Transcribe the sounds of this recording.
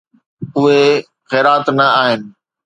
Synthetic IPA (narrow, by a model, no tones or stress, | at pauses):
ʊɦe | ɣeːɾaːt̪nɐaːɦɪnɪ̆